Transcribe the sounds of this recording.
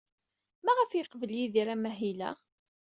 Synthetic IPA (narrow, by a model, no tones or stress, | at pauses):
mæʁəfjəqvəljiðiɾæmæɦilæ̰